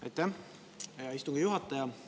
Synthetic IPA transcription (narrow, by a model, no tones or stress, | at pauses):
ɑ̰jt̪ˑːæh | jɑist̪uŋɡ̥ɑjuɦɑt̪ːˑɑjɑ